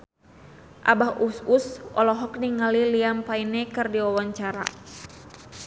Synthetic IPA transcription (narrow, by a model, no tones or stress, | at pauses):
ʔa̰bahʔususɔ̰lɔɦɔk̚niŋaliliampainɛkɨrdiwɔwaɲt͡ʃaɾa̰